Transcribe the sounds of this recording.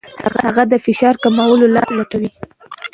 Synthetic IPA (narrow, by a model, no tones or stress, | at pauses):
ha̰ɣahaɣad̪əfɪʃɑɾkamawəlolɑ̰ɾlaʈawi